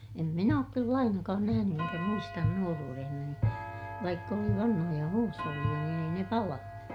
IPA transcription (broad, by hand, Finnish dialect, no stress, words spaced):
em min oːk kylː ɑinɑkɑːn næhæny eŋkæ muistɑn nuoruːrehnɑni ʋɑikː oli ʋɑnhojɑ huːsholːij̆ɑ niːn ei ne pɑlɑnu